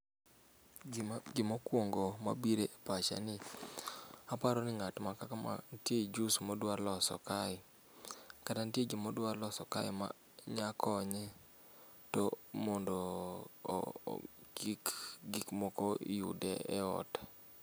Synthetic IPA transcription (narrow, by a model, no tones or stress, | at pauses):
ɡɪmokwoŋɡoma̰biɾepat͡ʃa̰nɪ | apaɾɔnɪŋatmakakama̰nted͡ʒusmɔdwaɾlɔsɔ̰kaɪ | katantjed͡ʒimɔdwaɾlɔsɔkaɪma̰ | ɲakʰɔɲɛ | tɔmɔndɔ̰ | ɡikɡikmɔkɔ̰jṵdɛ̰ɛ̰ɔ̰t